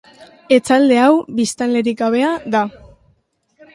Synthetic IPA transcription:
e̞t͡sald̪e̞awbist̪anle̞ɾikaβ̞e̞aða

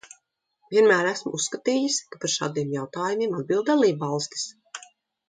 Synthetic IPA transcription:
vʲiɛnmæːɾæsmusːkat̪iːjiskapaɾʃa̰ːd̪iɛmjawt̪aːjumʲiɛmad̪̚bilˠd̪d̪alˠiːbvɑlˠst̪i̥s

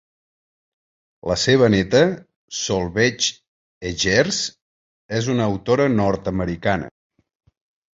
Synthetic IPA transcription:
ləseβ̞ənɛt̪ə | solˠβɛt͡ʃ | eʒɛrs | ezunəːwt̪oɾənɔrt̪əməɾikanə̰

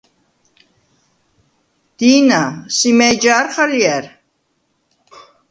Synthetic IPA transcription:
d̪̥iːnasimɛjd͡ʒaːɾχalijɛɾ

